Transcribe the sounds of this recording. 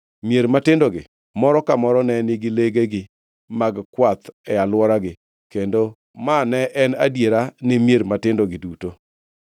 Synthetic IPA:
mjeɾmatɪndoɡɪ̰ | mɔɾɔkamɔɾɔnɛnɪɡɪleɡeɡɪ | maɡkwat̪ɛalwɔɾaɡɪ | kendo | manɛʔɛnadjeɾanɪmjeɾmatɪndoɡɪduto

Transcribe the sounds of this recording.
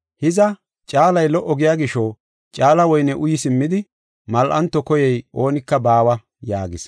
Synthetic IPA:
hɪzɐ | t͡ʃʼaːlɐjlɔʔːɔɡɪjaːɡɪʃɔ | t͡ʃʼaːlɐwɔjnɛʔʊjɪsɪmːɪd̪ɪ | mɐlʔɐnt̪ːɔkɔjɛjʔo̞ːnɪkːɐbaːwɐ | jaːɡɪs

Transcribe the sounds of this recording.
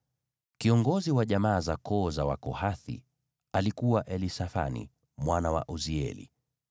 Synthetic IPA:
kiɔŋɡɔziwaʄamaːzakɔːzawa̰kɔhaθḭ | alikuwaʔɛlisafa̰nḭ | mwanawa̰ʔuziɛ̰lḭ

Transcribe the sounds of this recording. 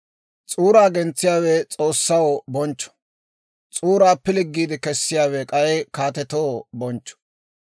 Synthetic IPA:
t͡sʼuːɾaːɡɛnt͡sːɪjaːwɛt͡sʼo̞ːsːɐwbɔnt͡ʃːɔ̥ | t͡sʼuːɾaːpːɪlɪɡːiːd̪ɪkɛsːɪjaːwɛkʼɐjɛjkaːt̪ɛt̪owbɔnt͡ʃːɔ̥

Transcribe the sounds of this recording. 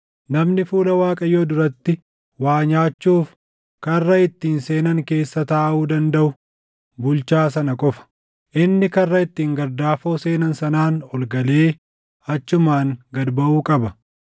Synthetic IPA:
nɐmnɪfuːlɐwaːkʼɐjoːd̪ʊɾɐt̪ːɪ | waːɲaːt͡ʃːuːf | kɐrːɐɪt̪ːiːnse̞ːnɐŋke̞ːsːɐt̪aːʔuːd̪ɐnd̪ɐʔʊ | bʊlt͡ʃaːs̬ɐnɐkʼɔfɐ̥ | ʔɪnːɪkɐrːɐɪt̪ːiːŋɡɐɾd̪aːfo̞ːse̞ːnɐnsɐnaːnɔlɡɐle̞ː | ɐt͡ʃːʊmaːŋɡɐd̪bɐʔuːkʼɐbɐ

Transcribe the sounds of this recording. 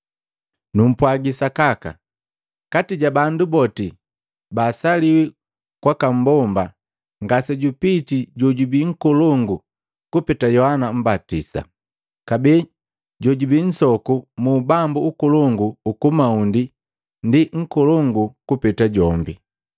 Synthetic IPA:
num̩pwaɡisakaka̰ | katiɟabandubɔti | baːsaliwɛ | kwakam̩bɔmba | ŋɡasɛɟupitiɟɔɟubiŋ̩kɔlɔŋɡu | kupɛtajɔhanam̩batḭsa̰ | kabɛ | ɟɔɟubin̩sɔkumuːbambuukɔlɔŋɡuːkumaundi | ndiŋ̩kɔlɔŋɡukupɛtaɟɔmbi

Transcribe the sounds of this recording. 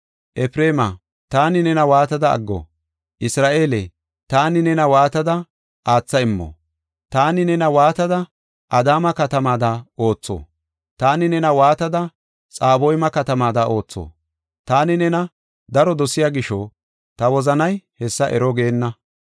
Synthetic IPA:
ʔɛpɾe̞ːmɐ | t̪aːnɪnɛnɐwaːt̪ɐd̪ɐ̰ːɡːɔ̰ | ʔɪsɾaːʔe̞lɛ | t̪aːnɪnɛnɐwaːt̪ɐd̪ɐ | ʔaːt͡sːɐɪmːɔ̰ | t̪aːnɪnɛnɐwaːt̪ɐd̪ɐ | ʔɐd̪aːmɐkɐt̪ɐmaːd̪ɐo̞ːt͡sːo̰ː | t̪aːnɪnɛnɐwaːt̪ɐd̪ɐ | t͡sʼaːbɔjmɐkɐt̪ɐmaːd̪ɐo̞ːt͡sːo̰ | t̪aːnɪnɛnɐ | d̪ɐɾɔd̪ɔsɪjaːɡɪʃɔ | t̪ɐwɔzɐnɐjhɛsːɐʔɛɾɔɡeːnːɐ

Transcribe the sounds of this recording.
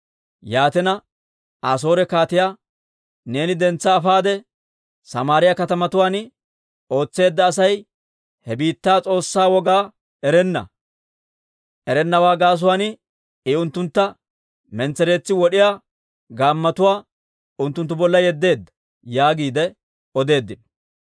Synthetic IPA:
jaːt̪ɛnɐ | aːs̬o̞ːɾɛkaːt̪ɪjaː | ne̞ːnɪd̪ɛnt͡sːɐːfaːd̪ɛ | sɐmaːɾɪjɐkɐt̪ɐmɐt̪ʊwaːn | o̞ːt͡sːe̞ːd̪ːɐːsɐj | hɛbiːt̪ːaːt͡sʼo̞ːsːaːwɔɡaː | ɛɾɛnːɐ̰ | ʔɛɾɛnːɐwaːɡaːs̬ʊwaːnɪ | ɪʊnt̪ːʊnt̪ːɐ | mɛnt͡sːɛɾe̞ːt͡sːɪwɔɗɪjaː | ɡaːmːɐt̪ʊwaː | ʊnt̪ːʊnt̪ːʊbɔlːɐjɛd̪ːe̞ːd̪ːɐ̥ | jaːɡiːd̪ɛ | ɔd̪e̞ːd̪ːɪn

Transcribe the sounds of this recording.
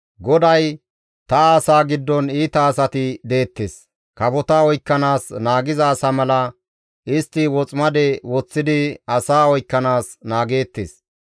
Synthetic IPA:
ɡɔd̪ɐj | t̪ɐaːsaːɡɪd̪ːɔniːt̪ɐːsɐt̪ɪd̪e̞ːt̪ːḛːs | kɐbɔt̪aɔjkːɐnaːsnaːɡɪzɐːsamɐlɐ | ʔɪst̪ːɪwɔt͡sʼmɐd̪ɛwɔt͡sːɪd̪ɪɐsaːɔjkːɐnaːsnaːɡe̞ːt̪ːḛːs

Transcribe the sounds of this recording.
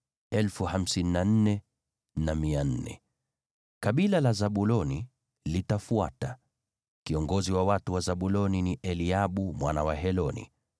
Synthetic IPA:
ɛlfuham̩sininan̩nɛ | namian̩nɛ̰ | kaɓilalazaɓulɔni | litafuata | kiɔŋɡɔziwawatuwazaɓulɔniniʔɛliaɓumwanawaɦɛlɔnḭ

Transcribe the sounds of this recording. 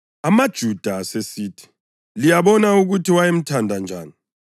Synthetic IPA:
amad̥ʒ̥ʱud̥ʱasesiːtʰi̥ | lijaβɔnauɣutʰiwajem̩tʰandʱand͡ʒʱaːni

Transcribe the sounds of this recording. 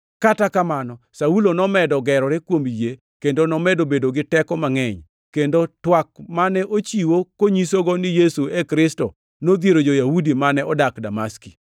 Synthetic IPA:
katakamanɔ | saulonɔmɛdɔɡɛɾɔɾɪkwomje | kendonɔmɛdobedoɡɪtɛkɔmaŋɛɲ | kendotwak̚manɛʔot͡ʃiwokoɲisoɡɔnɪjesuekɾɪstɔ | nod̪jeɾod͡ʒojahudimanɛɔdakdamaski̥

